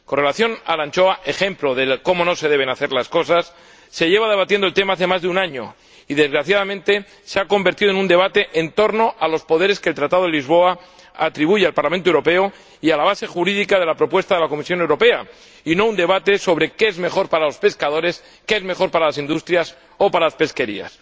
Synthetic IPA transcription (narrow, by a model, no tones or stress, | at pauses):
ko̞nre̞laθjo̞na̰lant͡ʃo̞aʔe̞xe̞mplo̞ðe̞lko̞mo̞no̞se̞ðe̞β̞e̞naθe̞ɾlasko̞sasː | e̞ʝe̞βað̞e̞β̞at̪jendolt̪emaaθe̞mazðeunãɲo̞̰ | iðe̞zɣɾaθjaðamẽ̞nt̪e̞ | seako̞mbe̞ɾt̪iðoe̞nũnd̪e̞βat̪e̞ʔent̪o̞ɾno̞ʔalo̞spo̞ðe̞ɾe̞skelt̪ɾat̪aðoðelizβo̞a | at̪ɾiβuʝealpaɾlamẽnt̪oewɾo̞pe̞o̞ | ialaβ̞ase̞xuɾiðikað̞e̞lapɾo̞pwe̞st̪aðe̞lako̞misjo̞newɾope̞a | ino̞und̪e̞β̞at̪e̞so̞β̞ɾe̞keezmexo̞ɾpaɾalo̞spe̞skaðo̞ɾe̞s | ke̞ezme̞xo̞ɾpaɾalasind̪ust̪ɾjas | o̞paɾalaspe̞ske̞ɾḭa̰s